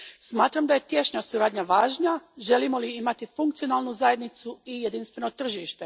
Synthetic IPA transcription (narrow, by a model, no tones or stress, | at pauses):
smaːt̪ɾamd̪aje̞t̪je̞ʃɲasuɾaːd̪ɲaʋaːʒɲaʒe̞limo̞liimat̪ifuŋk̚t̪sio̞naːlˠnuzaje̞d̪nit̪suijed̪inst̪ʋe̞no̞t̪r̩ʒiːʃt̪e̞